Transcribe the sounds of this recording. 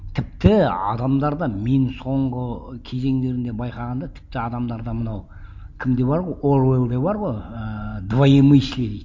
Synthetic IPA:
t̪ʰɪp̚t̪ɪɑ̰d̪ɑmd̪ɑɾd̪ɑme̞nɪŋso̞ɴʁəkʲʰe̞ze̞ŋd̪e̞ɾɪnd̪e̞bɑjqɑʁɑnd̪ɑt̪ʰɪ̥p̚t̪ɪɑd̪ɑmd̪ɑɾd̪ɑmənɑw | kʲʰɪmd̪e̞bɑɾʁo̞jʔoɾelˠd̪ebɑɾʁo̞jəd̪vajeməjʃkʲed̪ejt̪

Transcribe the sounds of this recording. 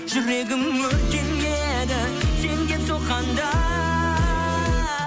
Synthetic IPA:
ʒ̥ʏɾe̞ɡʲɪmwɵɾkʲenje | d̪ɪ | se̞ŋd̪ʲe̞soqɑnd̪ɑ

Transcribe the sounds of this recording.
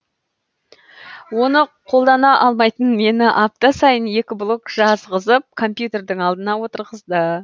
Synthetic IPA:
wo̞nəqʰo̞lˠd̪ɑnɑʔɑlˠmɑjt̪ənme̞nɪʔɑp̚t̪ɑsɑjənje̞kʲɪblˠokʒɑzʁəzəp̚kʰo̞mpjut̪e̞rd̪ɪŋɑlˠd̪ənɑwo̞t̪əɾʁəzd̪ə

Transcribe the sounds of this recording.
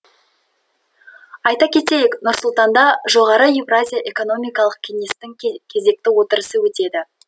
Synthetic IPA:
ɑjt̪ɑkʲʰe̞t̪e̞jɪknʊɾsʊlˠt̪ɑnd̪ɑʒo̞ʁɑɾəjivrazʲijaʔe̞ko̞no̞mijkɑlˠəq̚kʲʰe̞ŋe̞st̪ɪŋkʲʰe̞ze̞k̚t̪ɪwo̞t̪əɾəsəwɵt̪e̞d̪ɪ

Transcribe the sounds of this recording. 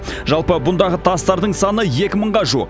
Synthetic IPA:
ʒɑlˠpəbʊnd̪ɑʁət̪ʰɑst̪ɑɾd̪əɴsɑnəje̞kʲɪməɴʁɑʒṵq

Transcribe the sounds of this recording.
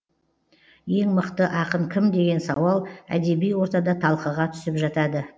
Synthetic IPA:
je̞ŋməqt̪əʔɑqəɴkʲʰɪmd̪e̞ɡʲe̞nsɑwɑlˠæ̰d̪e̞bijwo̞ɾt̪ɑd̪ɑt̪ʰɑlˠqəʁɑt̪ʰʏ̥sɪpʒɑt̪ɑd̪ə

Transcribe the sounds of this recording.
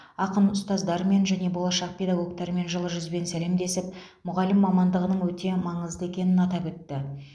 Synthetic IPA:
ɑqənʊst̪ɑzd̪ɑɾəme̞nʒæne̞bo̞lˠɑʃɑq̚pʰʲe̞jd̪aɡo̞kt̪ɑɾəme̞nʒəlˠəʒʏzbe̞nsæle̞md̪e̞sɪp̚ | mʊʁɑlɪmːɑmɑnd̪əʁənəɴwɵt̪e̞mɑɴəzd̪əe̞kʲe̞nɪnɑt̪ɑpɵt̪ːɪ

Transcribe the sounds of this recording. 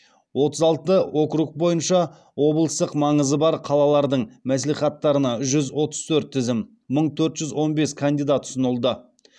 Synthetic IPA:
wo̞t̪əzɑlˠt̪əo̞kɾuk̚bo̞jənʃɑ | wo̞blˠəst̪əqmɑɴəzəbɑɾqʰɑlˠɑlˠɑɾd̪əɴmæs̬liχɑt̪ːɑɾənɑʒʏzwo̞t̪əz̥t̪ʰɵɾt̪ʰːɪzɪmː | əɴt̪ʰɵɾt̪ʒ̥ʏzwo̞nbe̞skʰand̪ijd̪at̪ʰːʊ̥snəlˠd̪ə

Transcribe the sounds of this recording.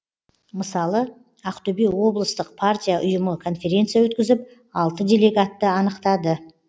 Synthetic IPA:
məsɑlˠə | ɑqt̪øbiwo̞blˠəst̪əq̚pʰartʲijaʔʊjəməkʰo̞nfʲe̞ɾʲe̞nt̪sɨjawɵt̪kʲɪzɪp̚ | ɑlˠt̪əd̪ʲe̞lʲe̞ɡat̪ːəɑnəqt̪ɑd̪ə

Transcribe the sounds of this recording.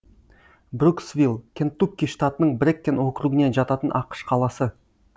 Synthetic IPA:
bruksvʲilˠkʲʰent̪ːup̚ʲkʲːijʂt̪at̪ənəɴbɾʲekʲːe̞nwo̞kɾuɡəne̞nʒɑt̪ɑt̪ənʔɑqə̥ʃqʰɑlˠɑsə

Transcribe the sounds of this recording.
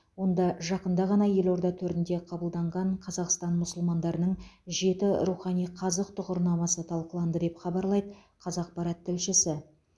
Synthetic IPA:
wo̞nd̪ɑʒɑqənd̪ɑʁɑnɑje̞lo̞ɾd̪ɑt̪ʰɵɾɪnd̪e̞qʰɑbəlˠd̪ɑɴʁɑɴqʰɑzɑqst̪ɑnmʊsʊlˠmɑnd̪ɑɾənəɴʒe̞t̪ɪɾuχɑnijqʰɑzəqt̪ʰʊʁʊɾnɑmɑsət̪ʰɑlˠqəlˠɑnd̪əd̪e̞pχɑbɑɾlˠɑjd̪ə | qʰɑzɑq̚pɑɾɑt̪ʰːɪlʃɪsɪ

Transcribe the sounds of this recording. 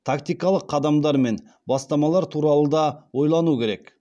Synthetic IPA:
t̪ʰakt̪ijkɑlˠəqʰːɑd̪ɑmd̪ɑɾme̞n | bɑst̪ɑmɑlˠɑɾt̪ʰuɾɑlˠəd̪ɑwo̞jlˠɑnukʲʰe̞ɾe̞k

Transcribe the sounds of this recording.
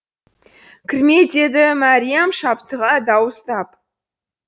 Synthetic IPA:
kʲʰɪɾme̞d̪e̞d̪ɪmɑɾʲijamʃɑpt̪əʁɑd̪ɑwəst̪ɑp̚

